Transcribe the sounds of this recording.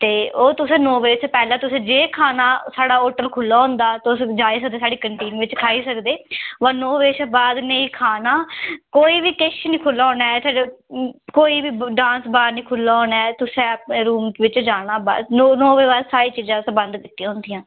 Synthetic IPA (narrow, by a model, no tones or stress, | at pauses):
t̪eːoːt̪ʊsẽːnoːʋeːt͡ʃːpɛːlãːt̪ʊsẽːd͡ʒeːkʰaːnaːsaːɽaːoːʈəlkʰʊlːaːɦʊ̃nd̪aːt̪ːʊsd͡ʒaːiːs̬ək̚d̪eːsaːɖiːkəɳʈiːŋʋɪt͡ʃkʰaːiːsəkd̪eːʋənoːʋeːʃbaːd̪nəĩːkʰaːnaːkoːiːʋiːkɪʃnĩːkʰʊlːaːnaːɛsa | koːiːʋiːɖãːnsbaːɾnĩːkʰʊlːaːoːnɛːt̪ʊsẽːəpneːɾuːmʋɪt͡ʃd͡ʒaːɽaːba̰ːd̪nonoːʋeːbaːɾsaːɾiːt͡ʃiːzãːsəbə̃nd̪kɪt̪ːĩãːʊ̃nd̪ijãː